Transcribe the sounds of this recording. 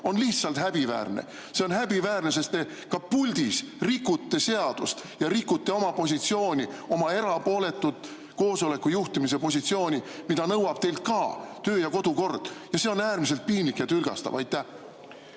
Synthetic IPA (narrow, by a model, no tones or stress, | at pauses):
o̞nliht̪sɑlt̪hæb̥ivæ̰ːrnḛ | se̞o̞nhæbivæːɾne̞se̞st̪ːe̞ | kɑpulʲd̪̥isrikːˑut̪ːe̞se̞ɑd̪̥ust̪jɑɾikːut̪ːe̞o̞mɑpo̞s̬ʲit̪sio̞ːnʲio̞mɑe̞ɾɑpo̞ːle̞t̪ːud̪̥ | ko̞ːso̞le̞kːujuht̪imis̬epo̞s̬ʲit̪sio̞ːnʲimid̪ɑnɤwɑb̥t̪e̞jlt̪̚kɑːt̪ø̞ːjɑko̞d̪̥uko̞rd̪̥jɑse̞o̞næːɾmis̬elt̪̚piːnlikjɑt̪ylɡ̥ɑ̰st̪ɑ̰vɑjt̪ːˑæh